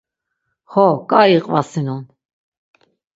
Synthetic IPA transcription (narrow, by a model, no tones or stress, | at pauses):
hɔkʼaiqʼvasinun